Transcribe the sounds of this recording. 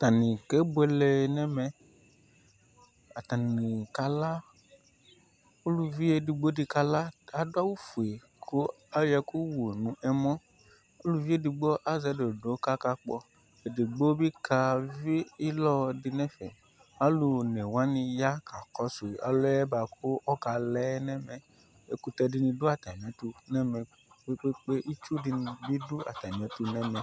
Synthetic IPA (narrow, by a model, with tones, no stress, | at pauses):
t̪a˨nĩ˨ke˦bɛ˦lɛ˨nɛ̃˦mɛ̃˦ | a˨t̪a˨nĩ˨ka˦la˦ | u˦lu˦vi˦e˨di˧ɡ͡bo˦di˧ka˧la˦a˨do˦a˦wu˦fu˨e˨ | kʰo˦ | a˦jɛ˧ku˦wo˨nũ˨ʔɛ˨mɔ̃˦ | o˦lu˦vi˦e˦di˧ɡ͡bo˦ʔa˦zɛ˨˦do˨do˨˦ka˦ka˧k͡pɔ˧ | e˨di˨ɡ͡bo˦bi˦kʰa˧vi˦i˦lɔ˦di˧nɛ̃˦fɛ̰˨ | a˦lu˧˨nɛ˨wa˦nĩ˧ja˦kʰa˨kɔ˨˦su˨ʔa̰˨lo˦ɛ˦ba˨kʰu˦ʔɔ˦ka˧lɛ˦nɛ˦mɛ˨ | e˦ku˨˧tɛ˧di˧nĩ˧du˦a˨ta˨m˨ɛ̃˨˦tu˧nɛ˦mɛ̃˨ | k͡pe˦k͡pe˦k͡pe˦ʔi˦t͡ʃu˦di˦˧nĩ˧bi˦du˦a̰˨ta˨m˨ɛ̃˨˦tu˦nɛ˦mɛ̃˨